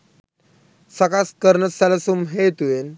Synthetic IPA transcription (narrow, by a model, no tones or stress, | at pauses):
sakaskəɾnəsalasumɦet̪uen